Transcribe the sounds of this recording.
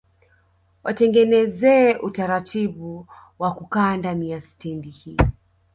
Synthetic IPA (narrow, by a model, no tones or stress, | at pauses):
wʔatɛŋɡɛnɛzɛːʔutaɾatʰiɓu | wakukaːndanijasi̥tɛndihiː